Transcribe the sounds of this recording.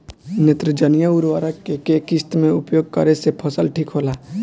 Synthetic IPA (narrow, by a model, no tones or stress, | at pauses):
net̪ɾəd͡ʒənijaʊɾʋaːɾakekeːkɪst̪mẽʊpjoːɡ̚kə̰ɾesepʰəsəlʈʰikɦoːlaː